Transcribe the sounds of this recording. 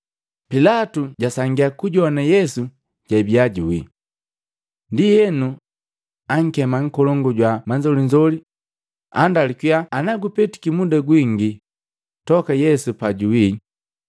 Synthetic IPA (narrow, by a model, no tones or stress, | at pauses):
pilatuɟasaŋɡiakuɟɔnajɛsu | ɟ̥abiaɟuwi | ndijɛnu | aŋ̩kɛmaŋ̩kɔlɔŋɡɔɟwamaɲd͡ʒɔliɲd͡ʒɔli | a̰ndalikwijaːnaɡupɛti̥kimudaɡwiŋɡi | tɔkajɛsupaɟuwi